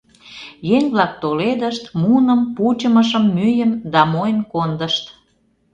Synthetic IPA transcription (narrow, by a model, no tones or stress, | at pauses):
jeŋβlɑk̚t̪oled̪əʃt̪munəmput͡ɕəməʃəmːyjəmd̪ɑmojənkond̪əʃt̪